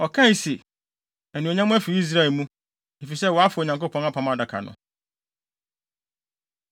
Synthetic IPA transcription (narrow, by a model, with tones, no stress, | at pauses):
ɔ˨kʰã˦˨si˨ | ɛ˨nĩ˨o˨ɲã˦mʊ̃˦æ˦fi˨i˦s̬ɾa˦˨ɛ˨mũ˦ | e˨fi˨sɛ˦wɔ˨˦a˦fʊ˨o˨ɲã˨ŋko˦pʰɔ̃˦n˦a˦pʰã˨ma˨da˨kʰa̰˨nʊ̰̃˨